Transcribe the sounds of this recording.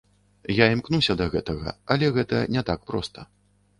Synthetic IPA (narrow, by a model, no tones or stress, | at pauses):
jaimknusʲɐd̪ɐɣɛt̪ɐɣɐ̰ɐlʲɛɣɛt̪ɐnʲɛt̪ak̚pɾɔ̰st̪ɐ